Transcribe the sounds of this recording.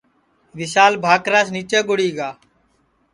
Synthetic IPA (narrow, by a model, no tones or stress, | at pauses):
ʋɪsaːlbʱaːkɾaːsniːt͡ʃeːɡʊɽiːɡaː